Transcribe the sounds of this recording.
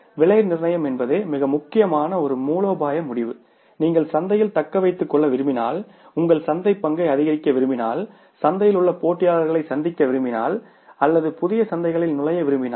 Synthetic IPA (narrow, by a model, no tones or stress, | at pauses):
ʋɪɭɐjɾnɪɾnɐjɐmɛnbɐðeːmɪɣɐmʊkːɪjɐmaːnɐɔɾɯmuːɭoːbaːjɐmʊɽɪʋɯ | niːŋɡɐɭsɐnd̪ɐjɪlt̪ɐkːɐʋɐɪt̪ːɯkːɔɭːɐʋɪɾɯmbɪna̰ːl | ʊŋɡɐɭsɐnd̪ɐɪpːɐŋɡɐɪɐðɪɣɐɾɪkːɐʋɪɾɯmbɪnaːl | sɐnd̪ɐjɪlʊɭːɐpoːʈːɪjaːɭɐɾɣɐɭɐɪsɐnd̪ɪkʲːɐʋɪɾɯmbɪna̰ːl | ɐlːɐðɯpʊðɪjɐsɐnd̪ɐɪɣɐɭɪlnʊlɐjɐʋɪɾɯmbɪnaː